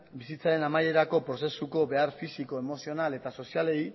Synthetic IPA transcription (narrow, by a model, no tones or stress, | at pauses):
bisit͡saɾe̞namaje̞ɾako̞pɾo̞se̞suko̞be̞aɾfisiko̞emo̞sio̞nale̞t̪aso̞siale̞j